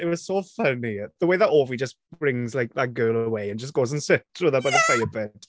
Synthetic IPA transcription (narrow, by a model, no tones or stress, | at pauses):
ɪtwɒz̥sofʌniðəweɪðətoːvid͡ʒəsb̥ɹɪ̃ŋzlaɪk̚ðət̚ɡ̥ɜːlˠəweɪə̃nd͡ʒəs̬ɡ̥oːzə̃nsɪtʰɹuðəbaɪðəfeɪəbɛt